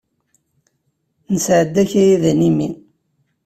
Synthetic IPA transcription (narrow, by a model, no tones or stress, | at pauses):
nəsʕəd̪ːæçæjiðænimi